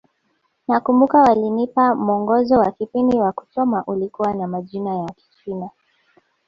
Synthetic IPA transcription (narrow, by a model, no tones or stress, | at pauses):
nakumbukawalinipamuɔŋɡɔzɔwakipindiwaku̥sɔmaʔulikuwanamaʄinajaki̥t͡ʃina